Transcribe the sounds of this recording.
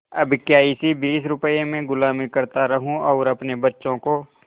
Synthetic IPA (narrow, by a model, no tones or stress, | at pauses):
ɐbkjaːɪsibiːsɾʊpəemẽɡʊlaːmikɐɾt̪aɾɐɦũɔːɾɐpnebɐtːʃõko